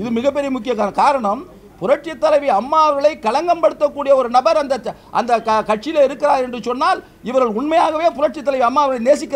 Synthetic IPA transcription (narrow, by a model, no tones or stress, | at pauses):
ɪðɯmɪɣɐpːɛɾɪjɐmʊk̬ːɪjɐkakaːɾɐɳɐm | pʊɾɐʈ̚t͡ʃɐt̪ːɐlɐɪʋiɐmːaːʋɐɾɣɐɭɐɪkɐlɐŋɡɐmpɐɽɯt̪ːɐkːuːɽɪjɐɔɾɯnɐbɐɾɐnd̪ɐ | ʔɐ̰nd̪ɐkɐkɐʈ̚t͡ʃːɪjɪleɪɾɯkːɪɾaːɾɛndrɯsɔnːaːl | ɪʋɐɾɣɐɭʊɳmɐjaːɣɐʋeːpʊɾɐʈ̚t͡ʃɪt̪ːɐlɐɪʋiɐmːaːʋɐɾɣɐɭɐɪneːsɪkʲːɪ